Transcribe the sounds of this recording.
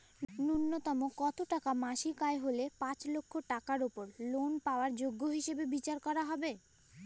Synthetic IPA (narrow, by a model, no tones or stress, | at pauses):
nunːot̪ɔmokɔt̪oʈakamaʃikaeɦolepãt͡ɕlokʰːoʈakaɾopoɾlonpaoaɾd͡ʑoɡːoɦiʃebebit͡ɕaɾkɔɾaɦɔbe